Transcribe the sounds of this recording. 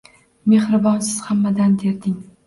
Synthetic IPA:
me̞hɾɪbɒnsɪz̥hamːad̪and̪eɾd̪ɪŋ

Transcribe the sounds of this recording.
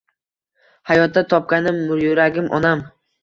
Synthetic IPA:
hajɒt̪̚d̪at̪ʰɒp̚kʲanɪmːʊɾjʊɾaɡʲɪmʔɒ̰nam

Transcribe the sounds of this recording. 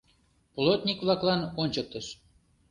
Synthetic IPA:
polˠot̪nʲikβlɑklɑnonʲt͡ɕək̚t̪əʃ

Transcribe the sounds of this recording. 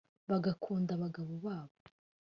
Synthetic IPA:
βaɡakʰuːndaβaɡaβoβaːβo

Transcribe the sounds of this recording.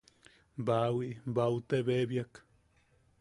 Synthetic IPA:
bawiʔbaut̪eβebjak

